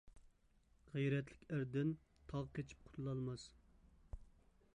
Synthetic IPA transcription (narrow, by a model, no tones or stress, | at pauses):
ʁɛjɾɛt̪lɪkʲæɾd̪ɪn | t̪ʰɑʁqʲʰet͡ʃʰi̥p̚qʰʊ̥t̪ʰlˠɑlˠmɑs